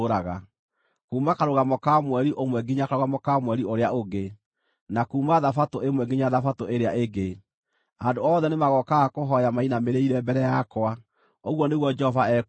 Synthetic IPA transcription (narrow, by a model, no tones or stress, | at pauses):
ɾaɣa | kuːmakaɾoɣamɔkamwɛɾiʔomwɛɡiɲakaɾoɣamɔkamwɛɾioɾeaoɡe | nakuːmaðafatoemwɛɡiɲaðafatoeɾeaʔeɡe | andoɔːðɛnemaɣɔkaɣakoɦɔjamainameɾeiɾɛbɛɾɛjakwa | oɣwɔneɣwɔd͡ʒɛhɔvaɛ